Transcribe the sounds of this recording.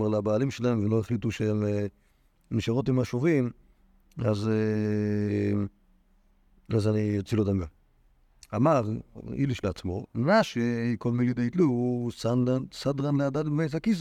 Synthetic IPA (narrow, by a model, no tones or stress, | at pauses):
malabaːlimʃelahemvenloeχlituʃeme | miʃaʁotimaʃovim | az | azanijot͡silotamɡa | amaʁḭliʃleat͡smoʁaʃiikolmilidaitluusanasadʁanleadatvejz̬akiz